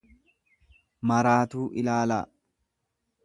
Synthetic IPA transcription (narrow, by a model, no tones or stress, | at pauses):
mɐɾaːt̪uːʔɪlaːla̰ː